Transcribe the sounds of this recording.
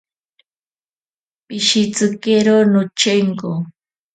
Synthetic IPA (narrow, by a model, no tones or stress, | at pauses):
pɪʃɪt͡sɨkeɾonʊt͡ʃeŋko